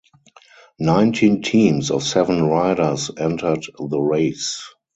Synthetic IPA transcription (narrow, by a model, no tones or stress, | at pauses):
nãɪ̃ntʰĩːntʰĩːmsɔ̰fsɛvə̃nɹaɪɾə˞sɛ̃ntʰə˞dðəɹeɪs